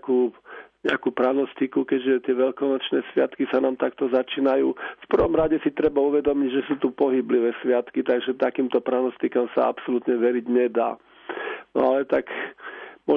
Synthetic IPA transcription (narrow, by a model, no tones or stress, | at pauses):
kuːɲɛakuːpɾanɔst̪ikukɛɟʒɛt̪ɪɛʋɛʎkɔnɔt͡ʃnɛːsʋɪat̪kisanaːmt̪akt̪ɔzat͡ʃiːnajuːfpr̩ʋɔmɾaɟɛsit̪ɾɛbauʋɛd̪ɔmiɟʒɛsuːt̪upɔɦibliʋɛːsʋɪat̪kit̪aɡʒɛt̪akiːmt̪ɔpɾanɔst̪ikamsa̰a̰psɔlut̪ɲɛʋɛɾiɟɲɛd̪a̰ː | nɔ̰alɛt̪ak | mɔ